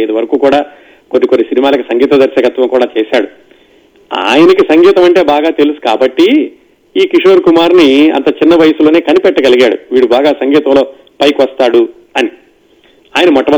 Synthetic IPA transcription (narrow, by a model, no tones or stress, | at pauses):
jd̪uʋɐɾɐkuːkuːɽaː | konːikonːisinimaːlɐk̬isɐŋɡiːt̪ɐd̪ɐɾsɐkɐt̪ʋɐŋkuːɽaːt͡ʃɛːsaːɽu | a̰ːjɐnɐk̬isɐŋɡiːt̪ɐmɐɳʈe̞ːbaːɡaːt̪elusu̥kaːbɐʈːi | iːkiʂoːɾkumaːɾniɐ̰nt̪ɐt͡ʃinːɐʋɐjɐsulo̞ːne̞ːkɐnipɛʈːɐɡɐliɡaːɽṵʋiːɽubaːɡaːsɐŋɡiːt̪ɐmlo̞ː | pɐjkʋɐst̪aːɽu | ɐni | aːjɐnɐmɔʈːɐɐ